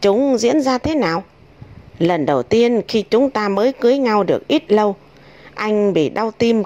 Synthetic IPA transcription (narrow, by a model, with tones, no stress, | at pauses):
t͡ɕʊ˨˦ŋ͡mzḭ˧˥ənzaː˧t̪ʰe˨˦naː˨˩w | lə˨˩nɗə˨˩wt̪i˧ənxi˧t͡ɕʊ˨˦ŋ͡mt̪aː˧məː˨˦jkɨ˨˦jɲa˧wɗɨ˨˩ək̚ʔi˦˥t̚lə˧w | ʔa˧jŋ̟ɓḭ˧˨ɗa˧wt̪i˧m